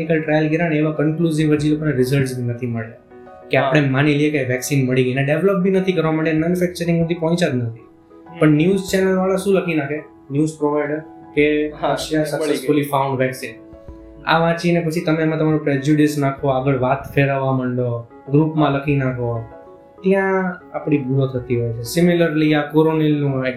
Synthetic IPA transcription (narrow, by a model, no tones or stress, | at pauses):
ikəlʈɾajəlɡeɾaneʋakənkluziʋəd͡ʒilokoneɾɪzəɾsbʱinət̪ʰiməɭja | keapɽ̃emaniliekaʋɛksinməɭiɡəjneɖeʋləp̚bʱinət̪ʰikəɾʋaməɭjamɛnjufɛk̚t͡ʃəɾĩŋɡmũd̪ipɔ̃t͡ʃad̪nət̪ʰi | pəɳnjuzt͡ʃɛnəlʋaɭaʃũləkʰinakʰe | njuzpɾoʋajɖəɾ | keɦaʃasəsulifaʊ̃ɳɖʋɛksin | a̰ʋãt͡ʃinepət͡ʃʰit̪əmeːmãt̪əmaɾũpɾed͡ʒuɖɪsnakʰoaɡəɭʋat̪feɾəʋãməɳɖo | ɡɾupmãləkʰinakʰo | t̪jãapɽ̃ibʱuɾot̪ʰət̪iɦojt͡ʃʰesɪmiləɾliakoɾonɛlnũɛ